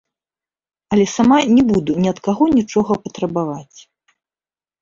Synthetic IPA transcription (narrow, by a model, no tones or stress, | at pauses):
ɐlʲɛsamanʲɛbud̪unʲiɐt̪kaɣɔnʲit͡ʂɔɣɐpɐt̪ɾɐbavat͡sʲ